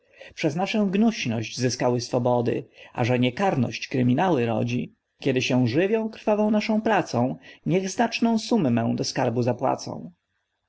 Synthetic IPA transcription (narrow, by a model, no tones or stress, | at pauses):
pʂɛznaʂɔ̃w̃ɡnuɕnɔɕd͡ʑzɘskawɘsfɔbɔd̪ɘ̰ʔa̰ʐɛɲɛkaɾnɔ̰ɕt͡ɕkɾɘmʲinawɘɾɔ̰d͡ʑi | kʲjɛd̪ɘɕɛ̃w̃ʐɘvʲjɔ̃w̃kɾfavɔ̃w̃naʂɔ̃w̃pɾat̪sɔ̃w̃ɲɛɣznat͡ʂnɔ̃w̃sumːɛ̃w̃d̪ɔskaɾbuzapwa̰t̪sɔ̰̃w̃